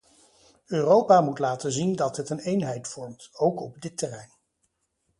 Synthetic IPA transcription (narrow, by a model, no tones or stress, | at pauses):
øːrowpaːmutlaːtəzindɑtɦətənejnɦɛjtfɔɹmtowkɔb̚dɪtːərɛjn